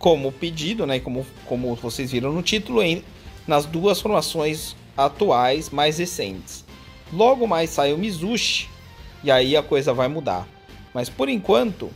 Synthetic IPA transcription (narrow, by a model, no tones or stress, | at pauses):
kõmʊped͡ʒid̪ʊnɛkõmʊ | kõmʊvosejzviɾɐ̃w̃nʊt͡ʃit̪ʊlʊẽ | nɐzd̪uɐsfoɾmasõj̃z | at̪uajsmajzhesḛ̃nt͡ʃɪ̥s | lɔɡʊmajsajʊmizuʃɪ̥ | iaiɐkojzɐvajmud̪a̰ɾ | mɐspoɾẽkwɐ̃nt̪ʊ̰